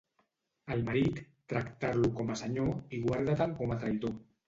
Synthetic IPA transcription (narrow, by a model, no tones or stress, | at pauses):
əlmaɾit̪ːɾakt̪aɾlukomasaɲoiɣwaɾðat̪aŋkomat̪ɾaiðo